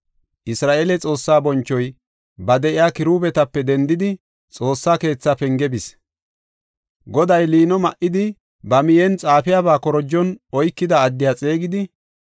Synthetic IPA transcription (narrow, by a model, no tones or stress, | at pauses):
ʔɪsɾaːʔeːlɛt͡sʼo̞ːsːaːbɔnt͡ʃːɔj | bɐd̪ɛʔɪjaːkɪɾuːbɛt̪ɐpːɛd̪ɛnd̪ɪd̪ɪ | t͡sʼo̞ːsːaːke̞ːt͡sːapɛŋɡɛbɪs | ɡɔd̪ɐjliːnɔmɐʔɪd̪ɪ | bɐmɪjɛnt͡sʼaːfɪjabaːkɔɾɔd͡ʒːɔnɔjkːɪd̪ɐːd̪ːɪjat͡sʼe̞ːɡɪd̪ɪ